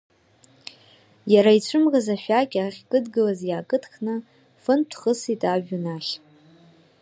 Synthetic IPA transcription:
jaɾait͡ɕʷʰɨmʁazaʃʷᶣakʲʼaχʲkʼɨdɡɨlazjaːkʼɨtʰkʰnɨ | fɨntʷʰχəsitʼaʒᶣunaʃ

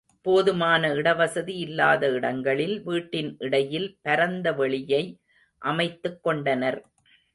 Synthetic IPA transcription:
poːðɯmaːnɐɪɽɐʋɐsɐðiɪlːaːðɐɪɽɐŋɡɐɭɪlʋiːʈːɪnʔɪɽɐjɪlpɐɾɐnd̪ɐʋɛɭɪjɐɪ | ʔɐmɐɪt̪ːɯkːɔɳɖɐnɐɾ

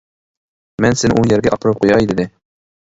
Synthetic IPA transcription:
mɛnsɪnʔujæɾɡʲɛʔɑpɾɤp̚qujɑid̪ɪd̪ɪ

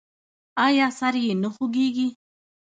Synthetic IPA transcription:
ɑːjɑːsaɾjenəxʊɡeːɡi

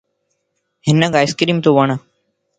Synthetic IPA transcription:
ɦɪnəkaːɪskɾiːmt̪oːʋəɳə

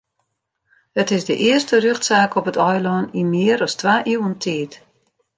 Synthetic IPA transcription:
ətɪsdəʔɪəstərøxtsaːkʰɔpətɔjlɔnimɪəɾɔstʋaːʔiwəntʰiːt

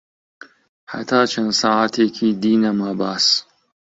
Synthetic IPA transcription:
ħa̰t̪ʰaːt͡ʃʰɐnsaːat̪ʰeːkʰiːd̪iːnɐmaːbaːs

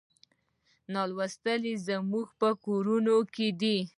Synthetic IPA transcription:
nɑlwast̪əlizəmuɡpəkoɾunoked̪i

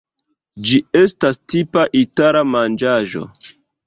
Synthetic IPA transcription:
d͡ʒie̞stastipaʔitaɾamand͡ʒaʒo̞̰

